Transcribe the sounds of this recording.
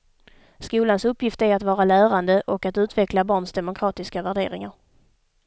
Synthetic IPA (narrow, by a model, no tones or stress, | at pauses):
skuːlansɵpːjɪft̪æɾat̪vɑːɾalæːɾand̪əʔɔkat̪ʉ̟ːt̪vɛklabɑːɳsd̪ɛmʊkʰɾɑːt̪ɪskavæɖḛːɾɪŋaɾ